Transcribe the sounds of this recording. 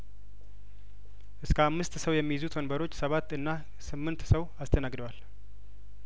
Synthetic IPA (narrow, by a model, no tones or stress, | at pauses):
ʔɨskʰəamːɨst̪səwjɛmːijɪzut̪ʰonbəɾo̞t͡ʃːsəβat̪ːɨnːa | sɨmːɨnt̪səwast̪ʰənaɡd̪əwal